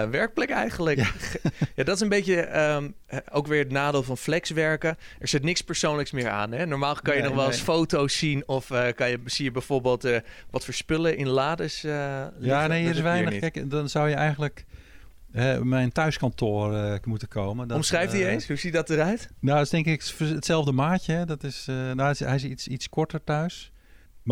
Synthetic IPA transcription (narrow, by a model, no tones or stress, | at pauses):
ʋɛɹk̚plɛkɛ̰jχənlək | jaːdɔtɪs̬ənbejtəəm | owkʋɪːɹədənaːdeːlˠvɑnflɛksʋɛɹkə | ɛɹz̥ɪtnɪkspəɹsownləksmɪːɹa̰ːnɦɛnɔɹmaːlˠkɑnjənɔχʋɛlˠsfowtowsːinɔfəkɑnjəsijəbɛjv̥oːɹbeːlˠtəʋɑtfəɹspɪləʔɪnlaːdəsəljanejiəɾɪsʋɛjnəxkɛjkdɔnsawjəʔɛjɣənlək | ɦɛmɛjntœɥskɔntoːrəmutəkʰowməndɔmsχrɛjftdiejnsɦuzidɔtərœɥtnodtɪstɪŋkɪkfətsɛlˠvdəmaːcəɛdɔtɪsnoɦɛjɪs̬isitskɔɹtərtœɥs | m